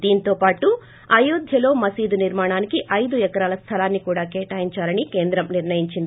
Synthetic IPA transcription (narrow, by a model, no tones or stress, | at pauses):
d̪iːnt̪o̞ːpaːʈu | ɐjuːd̪ʱjɐlo̞ːmɐsiːd̪uniɾmaːɳaːnikiʔɐjd̪uɛkɐɾaːlɐst̪ʰɐlaːnːikuːɽaːkɛːʈaːjiɲt͡ʃaːlɐnike̞ːnd̪ɾɐmniɾɳɐjiɲt͡ʃind̪i